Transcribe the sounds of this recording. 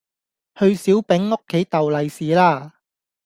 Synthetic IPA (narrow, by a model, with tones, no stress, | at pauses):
hɵ˧ɥsiː˨˥wpɛ˨˥ŋːo˥kʰːe˨˥jt̪ɐ˨wlɐ˨˧jsiː˨laː˥˩